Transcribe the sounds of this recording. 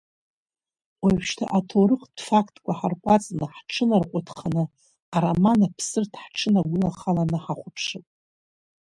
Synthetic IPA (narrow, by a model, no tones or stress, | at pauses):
waʃtʰa̰ʔatʰoɾɨqd̥faktʼkʷʼaħarkʷʼat͡sʼnɨħʈ͡ʂʰɨnarqʷʼatʰχʰanɨ | aɾamanapʰsɨrtʰħʈ͡ʂʰɨnaɡʷʊlaχalanɨħaχʷʊpʰʂɨpʼ